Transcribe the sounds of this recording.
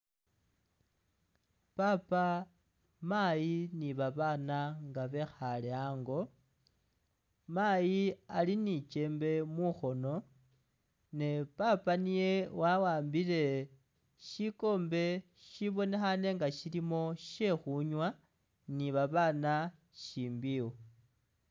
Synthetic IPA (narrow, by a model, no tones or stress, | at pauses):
papa | majiniβaβanaŋɡaβe̞xaleaŋɡo̞ | majialinit͡ʃe̞mbe̞muxo̞no̞ | ne̞papanije̞wawaːmbile̞ | ʃiko̞ːmbe̞ | ʃiβo̞ne̞xane̞ŋɡaʃilimo̞ʃe̞xuɲwa | niβaβana | ʃiːmbiwo